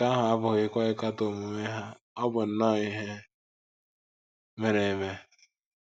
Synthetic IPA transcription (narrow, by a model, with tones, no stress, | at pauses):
ka˦ɦʊ˨a˦bʊ˨ɣɪ˦kʷa˦ɪ˦ka˦to˨mu˨me˦ɦa˦ | ɔ˦bʊ˨n̩˨nɔ˦i˦ɦe˦ | me˦ɾe˨me˦